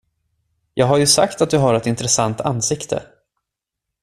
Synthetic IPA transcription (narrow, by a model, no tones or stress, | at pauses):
jɑːɡɦaɾjɵsa̰kt̪at̪̚d̪ɵɦaɾɛt̪ɪnt̪ɾɛsant̪ʰanːsɪkt̪ʰə̰